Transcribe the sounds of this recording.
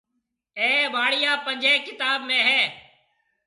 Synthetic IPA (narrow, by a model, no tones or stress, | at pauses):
eːbaːɽijaːpəɲd͡ʒʱeːkɪt̪aːbmẽːɦɛː